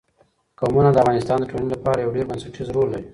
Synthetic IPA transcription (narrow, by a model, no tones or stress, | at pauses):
kamunad̪əavɣɑnɪst̪ɑnd̪əʈʰolinilapɑɾajawɖeɾbansaʈʰizɾold̪aɾi